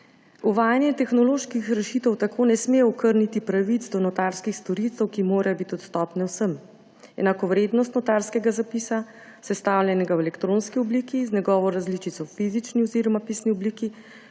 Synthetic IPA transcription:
ɔʋaːjanjɛt̪ɛxnɔloːʃkixɾɛʃit̪ɔwt̪akʰoːnɛsmejɛɔkəɾnit̪ipɾaʋit̪zd̪ɔnɔt̪aɾskixst̪ɔɾit̪sɛwkimoːɾajɔbit̪iɔt̪st̪ɔːpnɛwsəm | ɛ̰nakɔʋɾeːd̪nɔst̪nɔt̪aɾskɛɡazapisa | sɛst̪awlʲjɛnɛɡawɛlɛkt̪ɾoːnskiɔbliːkiznɛɡɔːʋɔɾazlit͡ʃit̪sɔwfiːzit͡ʃniɔziɾɔmapisniɔbliːki

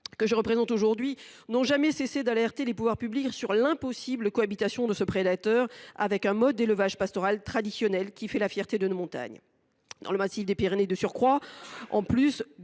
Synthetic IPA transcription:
kəʒəʁəpχezɑ̃t̪oʒuʁd̪ɥinɔ̃ʒamɛsesed̪alɛʁt̪elepuvwaʁpybliksyʁlɛ̃pɔsibləkɔabit̪asjɔ̃d̪əsəpχed̪at̪œʁa̰vɛkɛ̃mɔd̪ːeləvaʒpast̪ɔʁalt̪χad̪isjɔnɛlkʲifɛlafjɛʁt̪ed̪ənomɔ̃t̪a̰ɲ | d̪ɑ̰̃ləmasifd̪epiʁened̪əsyʁkχwaɑ̰̃plys

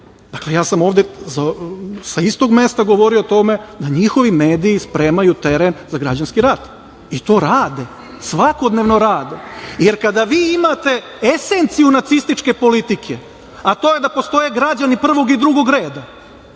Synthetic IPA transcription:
d̪̥akle̞jaːsamo̞ːʋd̪ezasaist̪o̞ɡme̞st̪aɡoʋo̞ɾiot̪o̞me̞d̪aɲixo̞ʋime̞ːd̪iːspɾe̞ːmajut̪e̞ɾenzaɡɾad͡ʑanskiɾat̪ | it̪o̞ːɾaːd̪e̞ | sʋako̞d̪neːʋno̞ɾaːd̪eje̞ɾkad̪aʋiːimaːt̪e̞ | ese̞nt̪sijunat̪sist̪it͡ʃke̞po̞lit̪ikʰe | at̪o̞ːje̞d̪apo̞st̪o̞jeɡɾad͡ʑanipr̩ʋo̞ɡid̪ɾuɡo̞ɡɾe̞ːd̪a

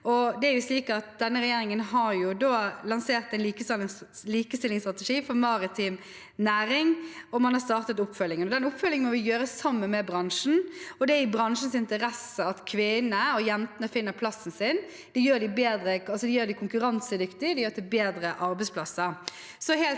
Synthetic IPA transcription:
ɔd̪ɛæɾjʊsliːkəɑt̪̚d̪ɛnːəɾɛjeːɾɪŋənɦɑɾjʊd̪oːlɑnseːʁt̪ænliːkəslliːkəst̪ɪlːɪŋst̪ʁɑt̪əʂiːfɔɾmɑɾɪt̪ʰiːm | næːɾɪŋɔmɑnhɑɾst̪ɑːʁt̪ət̪ʊpːfœlːɪŋənɔd̪ɛnʊpfœlɪŋənmɔʋɪjøːɾəsɑmːənmɛbɾɑŋʂn̩ɔd̪ɛæɪbɾɑŋʂən̩sɪnt̪əɾɛsəɑt̪kʰʋɪnəɔjɛnt̪ənəfɪnːəpʰlɑsːn̩sɪn | d̪̥ɪjøːɾd̪ɪbeːd̪ɾəɑlsɔd̪ɪjøːɾd̪ɪkʰʊŋkʉɾɑnsəd̪ʏkt̪ɪd̪ɪjøːɾt̪ʰɪlbeːd̪ɾəʔɑɾbɛɪspʰlɑsːəɾ | sɔhɛːl

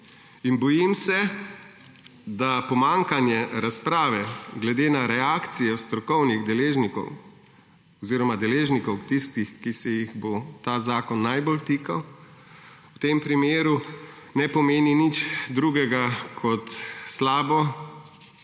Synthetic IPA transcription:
inbɔjimsɛ | d̪apɔmaŋkanjɛɾaspɾaːʋɛɡlɛd̪eːnaɾɛaːkt̪sijɔst̪ɾɔkɔwniɣd̪ɛleːʒnikɔ̰w | ɔziːɾɔmad̪ɛleːʒnikɔwt̪ist̪ixkisɛjiɣbot̪aːzaːkɔnːajbolt̪iːkaw | wt̪empɾimeːɾunɛpɔmeːninit͡ʃd̪ɾuɡɛɡakʰɔt̪slaːbɔ

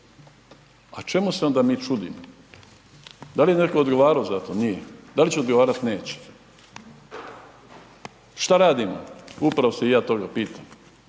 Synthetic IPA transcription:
at͡ʃe̞museo̞nd̪amiːt͡ʃud̪imo | d̪alijenekood̪ɡo̞ʋaːɾaozat̪onijed̪alit͡ɕɛod̪ɡoʋaːɾat̪neːt͡ɕe̥ | ʃt̪aɾaːd̪imo̰upɾaoseijaːt̪o̞ɡapiːt̪am

